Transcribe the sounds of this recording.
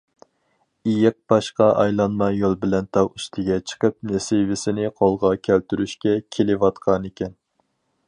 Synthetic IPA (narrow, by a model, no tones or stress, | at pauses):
ijɪq̚bɑʃqɑʔɑjlˠɑnmɑjolˠbɪlɛnt̪ʰɑwyst̪ʰɪɡʲɛt͡ʃʰə̥qəp̚nesɪvɪsɪnɪqʰolˠʁɑkʲʰælt̪ʰyɾyʃkʲɛkʲʰelɪwɑt̪qʰɑnɪkʲʰɛn